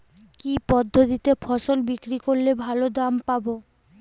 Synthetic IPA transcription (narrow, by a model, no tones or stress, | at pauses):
kipɔd̪ʱːot̪it̪efʰɔʃolbikɾikoɾlebʱalod̪ampabo